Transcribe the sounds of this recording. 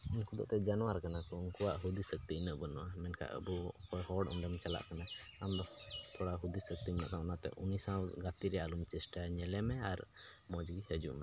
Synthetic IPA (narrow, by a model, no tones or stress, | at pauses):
inkud̪ɔ̰ʔt̪ɛd͡ʒanɔwaɾkanakɔuŋkuwaʔɦud̪isək̚t̪inəʔbənɔ̰ʔamɛnkʰa̰ʔə̰bukɔjhɔɽɔ̰ɳɖɛmt͡ʃala̰ʔkana | amd̪ɔt̪ʰɔɽaɦud̪isək̚t̪iɛna̰ʔt̪aʔɔnat̪ɛ̰ʔunisãwɡat̪iɾɛjalumt͡ʃɛsʈaɲɛlɛmɛaɾ | mɔd͡ʒɡihəd͡ʒṵʔmɛ